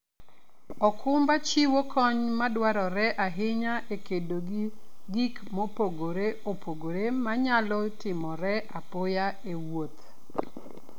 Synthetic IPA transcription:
ɔkʰʊmbat͡ʃiwokʰɔɲmadwaɾɔɾɛʔaɦɪɲaʔekedoɡɡikmopoɡoɾeopʰoɡoɾemaɲalɔtɪmɔɾɛʔapoja | ewot̪

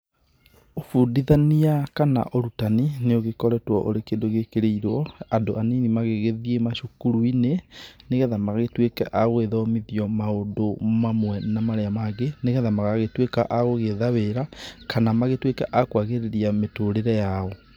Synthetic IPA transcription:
ofuːndiðaniakana̰ʔoɾutanineoɣekɔɾɛtwɔʔo̰ɾekeːndoɣekeɾeiɾɔandoʔaninimaɣeɣeðiemaʃokuɾuineneɣɛðamaɣaɣetwekɛ̰ʔaɣweðɔmiðiɔmaodomamwɛnamaɾeamaɣeneɣɛðamaɣaɣetwekaʔaɣoɣeðaweɾakanamaɣetwekɛ̰ʔakwaɣeɾeɾiametoːɾeɾɛjaɔ

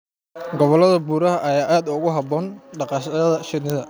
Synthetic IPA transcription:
ɡɔβɔlɐðɐbuːɾɐɦɐʔɐjaːʔaːd̪ʊɣʊɦɐbɔːnɖɑqɑːʃɐðɐʃɪnɪðɐ

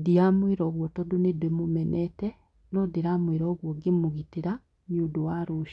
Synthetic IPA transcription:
diamweɾɔɣwɔtɔdonedwemomɛnʔɛtɛ | nodeɾamweɾɔɣwɔɡemoɣiteɾa | modowaɾoʃ

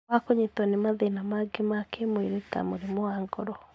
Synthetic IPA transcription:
akoɲetɔnemaðenamaɡemakemweɾeta̰moɾemoaŋɡɔɾɔ

